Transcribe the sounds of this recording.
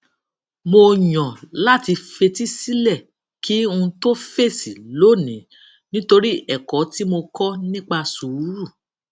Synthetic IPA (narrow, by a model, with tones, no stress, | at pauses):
mo˧jɔ̃˨la˦˨ti˧fe˧ti˦si˦lɛ˦˨ | ki˨˦ũ˧to˦fe˦˨si˨lo˦˨nĩ˨˦ | nĩ˦to˧ɾi˦ɛ˦˨kɔ˨˦ti˦mo˧kɔ˦nĩ˦k͡pa˧su˨˦ɾu˦˨